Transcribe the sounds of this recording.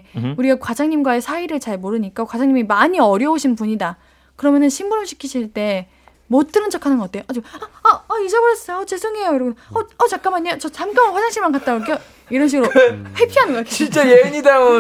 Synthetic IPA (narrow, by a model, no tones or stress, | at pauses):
uɾiɡakwad͡ʑaŋɲimɡwaesʰaiɾɯɭt͡ɕaɭmoɾɯɲik͈akwad͡ʑaŋɲimimaɲiʌɾjʌoɕʰinpuɲida | kɯɾʌmjʌnɯnɕʰimbuɾɯmɕʰi̥kʰiɕʰiɭt͈e̞ | mot͈ɯnɯnt͡ɕʰakʰanɯnɡʌkat͈eoʔat͡ɕiaaːid͡ʑebʌɾʌs͈ʌjoʌt͡ɕe̞sʰɯŋe̞jojoɾoɡɯnʌʌt͡ɕak͈amaɲːajot͡ɕʌt͡ɕamk͈akʰwad͡ʑaŋɕ͈iɭmankat̚t͈aok̬jo | iɾʌnɕ̬ʰiɡɯɾoɸepʰianɯnɡʌkakʰeint͡ɕ͈ejeeɲidamo